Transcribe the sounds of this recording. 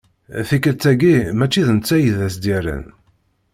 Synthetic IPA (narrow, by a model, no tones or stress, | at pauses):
θikːəɾt͡sːæɡimæt͡ʃːiðənt͡sːæjəðæsd̪iɾə̰n